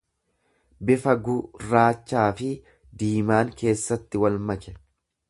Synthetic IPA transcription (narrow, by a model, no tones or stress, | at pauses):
bɪfɐɡʊraːt͡ʃːaːfɪ | d̪iːmaːŋke̞ːsːɐt̪ːɪwɐlmɐkɛ